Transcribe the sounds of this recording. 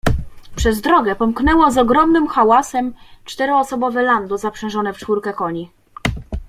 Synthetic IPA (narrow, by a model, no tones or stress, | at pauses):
pʂɛzd̪ɾɔɡɛpɔmknɛwɔzɔɡɾɔmnɘmxawasɛmt͡ʂt̪ɛɾɔɔsɔbɔvɛland̪ɔzapʂɛ̃ʐɔnɛft͡ʂfuɾkɛkɔɲi